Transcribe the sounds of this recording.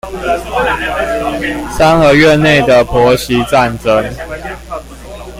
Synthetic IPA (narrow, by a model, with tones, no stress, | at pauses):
sa˦nxɤ˨˦ɥɛ˥˨ne˥˨ɪd̪ə˩pʰwɔ˨˦ɕi˨˦t͡sa˥˨nʈ͡ʂə˦ŋ